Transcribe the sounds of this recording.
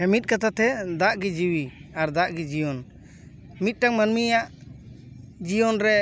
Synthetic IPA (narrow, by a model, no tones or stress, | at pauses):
hɛmit̪̚kat̪at̪ɛd̪aʔɡid͡ʒiwiaɾd̪aʔɡid͡ʒijɔn | mit̪̚ˀʈaŋmanmijaʔ | d͡ʒijɔnɾɛ